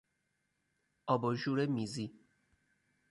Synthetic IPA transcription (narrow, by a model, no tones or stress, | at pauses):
ɔbɔʒuɾemizi